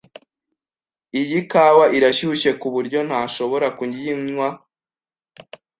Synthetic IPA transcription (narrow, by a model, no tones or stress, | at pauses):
ijikaːwaʔiɾaʃuuʃe̞kuβuɾɟo̞n̥haːʃo̞βo̞ɾakuɲɟiɲɲwa